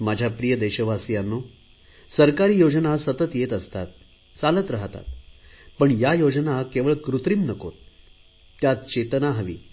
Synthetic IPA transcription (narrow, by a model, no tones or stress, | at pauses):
mad͡ʑʱjapɾijəd̪ɛɕəʋasijanːo | səɾkaɾiːjod͡ʑənasət̪ət̪jet̪əst̪a̰t̪̚ | t͡salət̪ɾəɦt̪a̰t̪̚pəɳjajod͡znakeʋəɭkɾut̪ɾiːmnəko̰t̪̚ː | jat̪t͡ɕet̪ənaɦəʋḭː